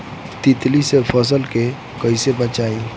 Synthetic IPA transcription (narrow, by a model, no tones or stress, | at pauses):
t̪ɪt̪lisepʰəs̬əlke | kɐisebət͡ʃaːiː